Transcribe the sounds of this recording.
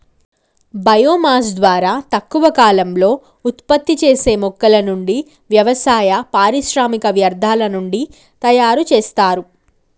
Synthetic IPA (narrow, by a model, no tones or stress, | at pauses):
bɐjoːmaːs̬d̪ʋaːɾaːt̪ɐkːuʋɐkaːlɐmlo̞ː | ut̪pɐt̪ːit͡ʃe̞ːse̞ːmɔkːɐlɐnuɳɖi | ʋjɐʋɐsaːjɐpaːɾiʃɾaːmikɐʋjɐɾd̪ʱaːlɐnuɳɖi | t̪ɐjaːɾut͡ʃeːst̪aːɾu